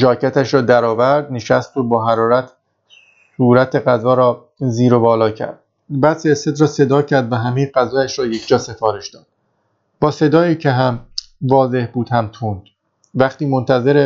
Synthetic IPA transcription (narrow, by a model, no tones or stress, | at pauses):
ʒɒːcʰæt̪ʰæʃɾɒːd̪æɾɒːvæɾd̪̚neʃæst̪oːbɒːɦæɾɒːɾæt̪ʰ | suːɾæt̪ʰe̞ɣæzɒːɾɒː | ziːɾobɒːlɒːcʰæ̰ɾd̪̥̚ | bæːd̪seɾsed̪ɾɒːse̞d̪ɒːcʰæɾd̪væɦæmejeɡæzɒːjæʃɾɒːje̞cʰd͡ʒɒːse̞fɒːɾe̞ʃd̪ɒːd̪̥̚ | bɒːse̞d̪ɒːjiːcʰeɦæm | vɒːze̞hbuːd̪hæmt̪ʰuːnd̪̥ | væχt̪iːmont̪ʰæze̞ɾe